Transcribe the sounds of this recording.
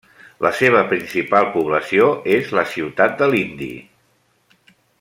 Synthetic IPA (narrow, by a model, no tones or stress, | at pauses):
lʔəseβ̞əpɾinsipalˠpuβləsioezləsiwt̪at̪̚d̪əlind̪ḭ